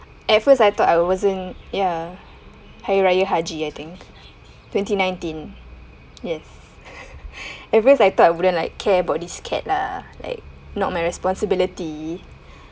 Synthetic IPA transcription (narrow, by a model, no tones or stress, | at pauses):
ʔɛtfəsajt̪ɔtajwɔzə̃nja | hajɹajəɦad͡ʒiajt̪ɪ̃ŋk | twɛ̃ntinãjntĩn | jɛs | ɛt̚fəsajt̪ɔtajwudə̃nlaɪkʰːɛəbaʊt̚diskʰɛ̰t̚lala̰ɪk̚ | nɔt̚majɹɛspɔ̃nsəbiliti